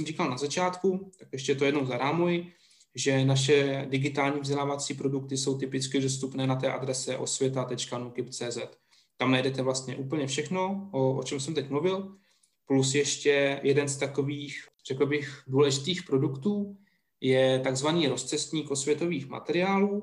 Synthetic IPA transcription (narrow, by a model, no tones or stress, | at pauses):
mriːkalnazat͡ʃaːt̪kut̪akjɛʃ̬cɛjt̪ojɛdnowzaɾaːmujɪ | ʒɛnaʃɛdɪɡɪt̪aːlɲiːvɟɛlaːvat͡siːpɾo̞duk̚t̪ɪso̞wt̪ɪpɪt͡skɪdo̞s̬t̪upnɛːnat̪ɛːʔa̰dɾɛsɛʔo̞̰svjɛt̪at̪ɛt͡ʃkanukɪpt͡sɛːzɛt̪ː | amnajdɛt̪ɛvlast̪ɲɛʔuːpl̩ɲɛfʃɛxno̞ʔoʔot͡ʃɛmsɛmt̪ɛc̚mluvɪl | plusjɛʃcɛjɛdɛnst̪ako̞viːx | r̥ɛkl̩bɪxduːlɛʒɪt̪iːxpɾo̞dukt̪uː | jɛt̪aɡzvaniːɾo̞st͡sɛst̪ɲiːkʔosvʲjɛt̪o̞viːxma̰t̪ɛɾɪaːluː